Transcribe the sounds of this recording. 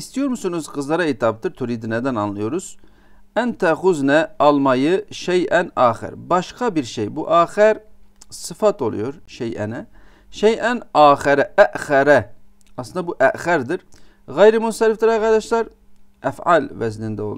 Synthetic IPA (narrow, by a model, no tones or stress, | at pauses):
ist̪ijoɾmusunuzqʰɨzlˠɑɾɑet̪ʰɑp̚t̪ɯɾt̪ʰuɾid̪inɛd̪ænɑnlˠɯjoɾuz̥ | ænt̪ʰæχuznɛɑlˠmɑjɯʃejʔɛnɑːχæ̰ɾbɑʃqʰɑbiɾʃejbuʔɑːχæɾsɨfɑt̪ʰo̰lˠṵjoɾʃejʔæ̰nɛ | ʃejʔɛnɑːχæɾɛʔæʔχæɾɛ | ɑslˠɯnɑbuʔæʔχæɾd̪iɾ | ɣæjɾimunsɛɾift̪iɾɑqɑɾd̪ɑʃlˠɑɾ | æfʕɑ̰lvæzlind̪ɛo̰